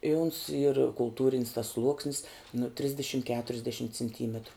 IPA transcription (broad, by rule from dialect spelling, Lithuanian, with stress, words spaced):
ɪ ʊns iːr kʊlˠˈtuːrʲɪnʲs tɐs ˈslˠuɔksʲnʲɪs nʊ ˈtʲrʲɪzʲdʲɛʃʲɪm kʲɛtʊrʲɛzʲˈdʲæːʃʲɪm t͡sʲɪnʲˈtʲiːmʲɛtrʊ